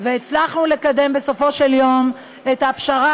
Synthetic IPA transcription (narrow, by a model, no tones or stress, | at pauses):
veːt͡slaχnule̞kade̞mbe̞so̞fo̞ʃe̞ljo̞m | et̪apʃaʁa